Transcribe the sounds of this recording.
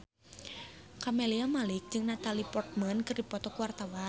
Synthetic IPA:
kameliamalɪk̚d͡ʒɨŋnat̪alipɔrt̪̚mənkɨrdipɔt̪ɔkuwart̪awa

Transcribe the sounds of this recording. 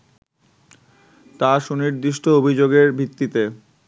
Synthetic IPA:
t̪aʃuniɾd̪iʃʈʰoobʱid͡ʑoɡeɾbʱit̪ːit̪e

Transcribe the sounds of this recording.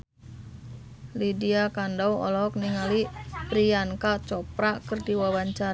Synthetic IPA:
lidiakandawɔ̰lɔɔk̚niŋalipɾiankat͡ʃɔpɾakərdiwawaɲt͡ʃa

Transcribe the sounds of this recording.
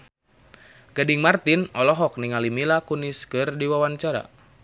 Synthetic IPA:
ɡadiŋmart̪inɔlɔɦɔk̚niŋalimilakuniskɨrdiwawaɲt͡ʃaɾa̰

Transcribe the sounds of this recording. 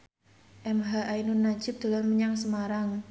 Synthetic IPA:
ʔɛmɦaʔajnunːḁd͡ʒ̥ɪp̚d̪̥a̤lamməɲaŋsəmaɾaŋ

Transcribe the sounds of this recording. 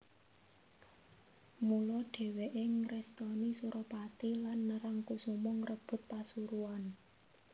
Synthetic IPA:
mulɔɖ̥e̤weʔeŋɾɛst̪ɔnisuɾʔɔpat̪ilanːəɾaŋkusumɔŋrəb̥ʊ̤t̪̚pasuɾuan

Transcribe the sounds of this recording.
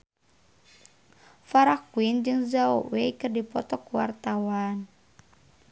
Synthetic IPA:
faɾakuind͡ʒɨŋzao̰wekɨrdipɔt̪ɔkuwa̰rt̪awan

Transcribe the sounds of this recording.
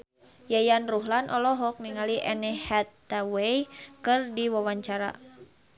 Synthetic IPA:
jajanruɦlanʔɔlɔɦɔk̚niŋaliʔɛnɛhɛt̪ːawejkɨrdiwawaɲt͡ʃaɾa̰

